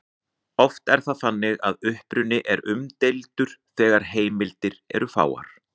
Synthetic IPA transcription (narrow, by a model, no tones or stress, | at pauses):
ɔft̪ɛɾ̥θaðθanːɪɣaðʏhpɾʏnːɪʔɛɾʏmt̪ejlt̪ʏɾ̥θɛːɣaɾ̥ɦeːjmɪlt̪ɪɾɛ̰ɾʏfa̰ːwa̰ɾ̥